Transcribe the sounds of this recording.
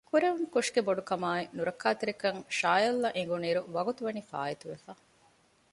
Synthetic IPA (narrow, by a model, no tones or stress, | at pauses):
kuɾeʋuŋkuʂɡeboɖukɐmaːinuɾɐkːaːt̪iɾekɐŋʃaːjɐlːɐʔeŋɡuniːɾuʋɐɡut̪uʋɐnifa̰ːjet̪uʋefaː